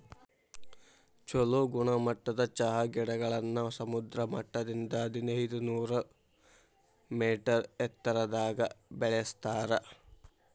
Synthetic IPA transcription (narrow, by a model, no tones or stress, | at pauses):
t͡ʃoluɡuɳɐmɐʈːɐd̪ɐt͡ʃɐɦɐɡɛɽɐɡɐɭɐnːɐsɐmud̪ɾɐmɐʈːɐd̪ind̪ɐːd̪inɐjid̪unuːɾɐ | meːʈɐɾɛt̪ːɐɾɐd̪aːɡɐbɛɭɛst̪aːɾɐ